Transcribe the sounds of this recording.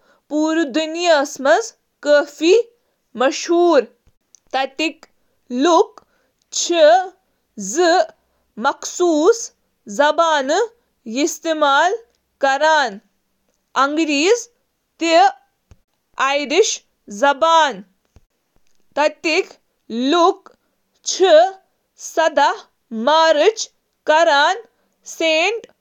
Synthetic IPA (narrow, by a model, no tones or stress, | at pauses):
puːɾud̪unjɐsmɐz | kəːfi | mɐʃɦuːɾ | t̪ɐt̪ik | luk | t͡ʃʰi | zɨ | mɐksuːs | zɐbaːnɨ | jist̪imaːl | kɐɾaːn | ɐŋɡɾiːz | t̪i | ajɾiʃ | zɐbaːn | t̪ɐt̪ik | luk | t͡ʃʰi | sɐd̪ɐh | maːɾɨt͡ʃ | kɐɾaːn | seːɳʈ